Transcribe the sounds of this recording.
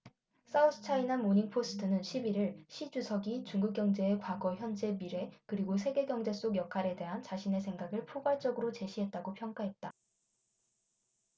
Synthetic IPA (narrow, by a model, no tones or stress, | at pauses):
s͈ausʰɯ̥t͡ɕʰainanmoɲiŋpʰos͈ʰɯ̥tʰɯnɯnɕʰibiɾɯɭɕʰid͡ʑusʰʌɡit͡ɕuŋɡuk̚k͈jʌŋd͡ʑe̞ːkwaɡʌçjʌnd͡ʑe̞miɾe̞kɯɾiɡos̬ʰe̞ɡe̞ɡjʌŋd͡ʑe̞s͈oɡjʌkʰaɾe̞de̞ɦant͡ɕaɕʰine̞sʰe̞ŋɡaɡɯɭpʰoɡwaɭt͡ɕ͈ʌɡɯɾot͡ɕe̞ɕʰiɦe̞t̚t͈aɡopʰjʌŋk͈aɦe̞t̚t͈a